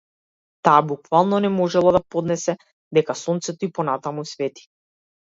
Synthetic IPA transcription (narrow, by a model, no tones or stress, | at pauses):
t̪aːbukvalˠnɔnɛmɔʒɛlˠad̪apɔd̪nɛsɛ | d̪ɛkasɔnt̪sɛt̪ɔipɔnat̪amusvɛt̪i̥